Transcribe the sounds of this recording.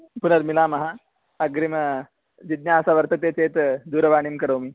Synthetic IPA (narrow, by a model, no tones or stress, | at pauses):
punɐɾmilaːmɐɦa | ɐɡɾim | d͡ʑid̪̚njaːsaʋəɾt̪ɐt̪eːt͡seːt̪d̪uːɾɐʋaːɽ̃imkɐɾoːmi